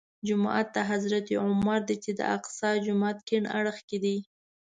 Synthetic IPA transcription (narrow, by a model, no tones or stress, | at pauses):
d͡ʒʊmɑ̰ʔat̪ːaɦazɾat̪iʕʊmaɾd̪it͡ʃed̪ə̰a̰qsɑd͡ʒʊmɑt̪kɪɳa̰ɽəxked̪i